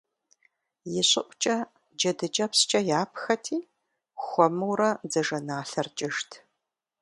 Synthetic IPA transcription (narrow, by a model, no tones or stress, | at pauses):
jɪɕʼɪʔʷt͡ʃʼɐ | d͡ʒɐdɨd͡ʒʼɐpst͡ʃʼɐjaːpʰxɐtʰiː | xʷɔmɨwrɐd͡zɐʒɐnaːɬɐrt͡ʃʼɪʃtʰ